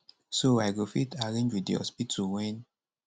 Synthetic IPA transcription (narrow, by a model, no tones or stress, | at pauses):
soaɡofitʰaɾẽɲd͡ʒwidḭɔ̰spitʰuwɛn